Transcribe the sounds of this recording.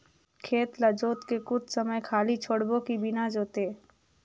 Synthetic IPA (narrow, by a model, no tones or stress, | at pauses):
kʰeːt̪ləd͡ʒoːt̪kekʊt͡ʃʰsəməjkʰaːlit͡ʃʰoːɽbõkibɪnad͡ʒoːt̪eː